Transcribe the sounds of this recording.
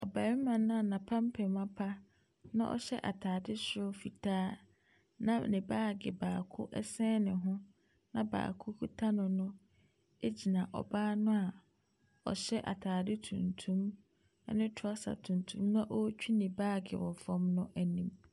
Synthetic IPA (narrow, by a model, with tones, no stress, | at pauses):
ɔ˨ba˨ɪ˦mã˨nʊ̃˦a˨nã˨pʰã˦m̩˦pʰɛ˨mã˦pʰa˦ | nã̰˦ʔɔ̰˨ɕɛ˦ʔa̰˨tʰaː˨dɪ˦ɕɪ˦fi˨tʰaː˦ | nã˦nɪ̃˨baː˦˨ɡɪ˨baː˨kʰʊ̰˦ʔɛ̰˦sɛ̃ː˦nɪ̃˨ɦʊ̃˦ | nã̰˨ba̰ː˨kʰʊ˦kʰu˦tʰa˦nʊ̃˨nʊ̃˦ | e˦d͡ʑi˨nã˨ʔɔ̰˨baː˦nʊ̃˦a˨ | ɔ̰˨ɕɛ˦ʔa̰˨tʰaː˨dɪ˦tʰṵ̃˨ntʰũ˦m̰˦ | nɪ̃˦tʰʊ˨˦a˦sa̰˨tʰũ˨ntʰũ˦mnã˦ʔɔ˦t͡ɕᶣi˦nɪ̃˨baː˦˨ɡɪ̰˨wɔ˨fɔ̃˦mnʊ̃˦ʔæ˨nĩ˦m